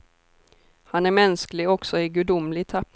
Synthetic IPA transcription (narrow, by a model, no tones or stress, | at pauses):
hanæɾmɛnsklɪɡɔksɔɪɡʉd̪ʊmlɪɡt̪ʰap̪